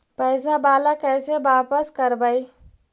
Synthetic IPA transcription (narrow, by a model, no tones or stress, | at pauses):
pəɪsabaːlakɛjsebaːpəskəɾbəj